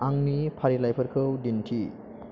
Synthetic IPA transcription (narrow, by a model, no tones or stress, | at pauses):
aŋnipʰaɾilajpʰəɾkʰɯwdintʰi